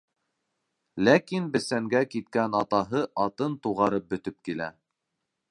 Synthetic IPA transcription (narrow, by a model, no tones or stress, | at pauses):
lækinbɘ̆sæŋɡækit̪̚kænɑt̪ɑɦɤʔɑt̪ɤnt̪uʁɑɾɤp̚bɵ̆t̪ɵp̚kilæ̰